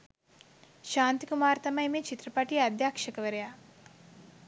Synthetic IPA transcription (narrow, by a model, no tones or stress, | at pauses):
ʃaːnt̪ikumaːɾt̪ɐmɐjmeːt͡ʃit̪ɾɐpaːʈiɐd̪ʱjaːkʂɐkɐʋɐɾɐjaː